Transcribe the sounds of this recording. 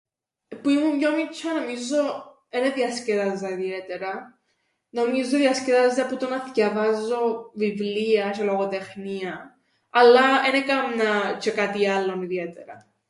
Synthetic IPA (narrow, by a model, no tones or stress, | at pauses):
puimumɲomit͡ʃʰːɐno̞mizo | eneðiɐsceðɐzɐiðiet̪eɾɐ | no̞mizoðiɐsceðɐzdɐput̪onɐθcɐvɐzːo̞vivliɐʃeloɣot̪exniɐ | ɐlːɐenekɐmnɐt͡ʃʰekat̪ialːo̞niðiet̪eɾɐ